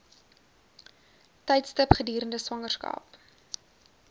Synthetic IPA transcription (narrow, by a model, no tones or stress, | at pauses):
tɛjtstəpχədiːɾəndəswɐŋərskɑ̰ːp